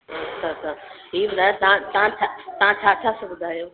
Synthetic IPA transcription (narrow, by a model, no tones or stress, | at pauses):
ɐt͡ɕʰat͡ʃʰa | iːbʊd̪ʱaːjot̪ɐãt̪ɐʋãt͡ʃʰat̪ɐʋ̤ãt͡ɕʰaːt͡ɕʰaːsãbʊd̪ʱaːjoː